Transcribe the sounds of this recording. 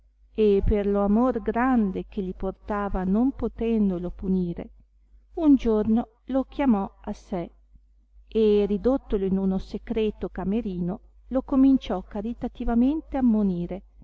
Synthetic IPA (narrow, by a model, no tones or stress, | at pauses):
eperloamorɡɾand̪ek̟eliport̪aːvanompot̪ɛnd̪olopuniːɾḛ | und͡ʒorno | lok̟jamɔase | erid̪ot̪ːoloinunosekɾɛːt̪okameɾiːno | lokomint͡ʃɔkːaɾit̪at̪ivament̪eamːoniːɾe